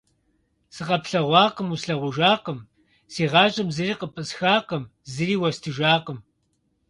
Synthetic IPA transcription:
sɨqɐpɬɐʁʷɑːqəmusɬɐʁʷʊʒaːqəm | seːʁɑːʒʼɐmzɨriːqəpʼɨsxaːqəmzɨriːwɐstʰɨʒaːqəm

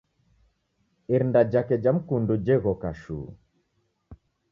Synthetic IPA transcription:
iɾndad͡ʒakɛd͡ʒam̩kundud͡ʒɛɣɔkaʃṵː

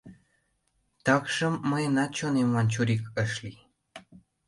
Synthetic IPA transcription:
t̪ɑkʃə̆mːəjənɑt͡ɕonemwɑnt͡ɕuɾikəʃli

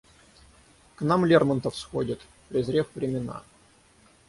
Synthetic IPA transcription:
knamlʲermənt̪əfsxodʲɪt̪ | pɾʲɪzɾʲefvɾʲɪmʲɪna̰

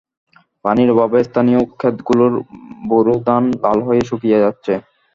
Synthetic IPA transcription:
paniɾbabaest̪ʰanijokʰːet̪ɡuloɾboɾod̪and̪alɦojeʃukijad͡ʑatːɕʰe

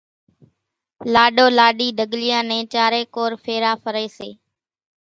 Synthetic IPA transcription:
laːɗoːlaːɗiːd̪ʱəɠlɪjãːnɛ̃ːt͡ʃaːɾeːkoːɾfʰeːɾaːfəɾeːseː

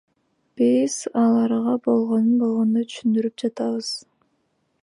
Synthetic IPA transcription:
b̥iz̥ɑlˠɑɾʁɑbo̞lˠʁo̞nunbo̞lˠʁo̞nd̪ot̪ʰy̥ʃynd̪yɾyp̚d͡ʒɑt̪ɑβɯz̥

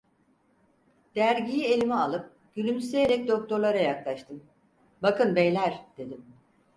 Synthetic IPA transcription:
d̪̥æɾɟijie̞lʲimialˠɯp̚ | ɟ̥ylʲymsejeɾɛc̚d̪o̞k̚t̪ʰo̞ɾlˠaɾajaklˠaʃt̪ʰɯm | bakɯnbɛjlʲæɾd̪̥e̞d̪im

